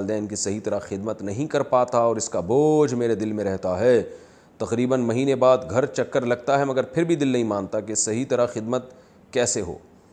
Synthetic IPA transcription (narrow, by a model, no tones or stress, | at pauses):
lɪd̪ɛːnkisɐɦit̪ɐɾaxɪd̪mət̪nɐɦĩkɐɾpaːt̪aɔːɾɪskaboːd͡ʒmeːɾed̪ɪlmẽɾɛɦt̪aɦɛː | t̪ɐqɾiːbənmɐɦiːnebaːd̪ɡʱɐɾt͡ʃɐkːəɾlɐɡ̚t̪aɦɛmɐɡəɾpʰɪɾbʱid̪ɪlnɐɦĩmaːnt̪akesɐɦit̪ɐɾaxɪd̪mət̪̚ | kɛːseɦo̰ː